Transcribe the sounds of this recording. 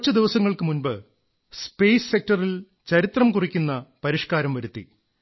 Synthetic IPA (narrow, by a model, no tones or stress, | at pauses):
t͡ɕːɐd̪iʋɐsɐŋːɐɭkɨmunbɨ | speːsːe̞k̚ʈɐril | t͡ɕɐɾit̪rɐmkurikʲːunːɐpɐɾiʂkaːɾɐmʋɐɾut̪ːḭ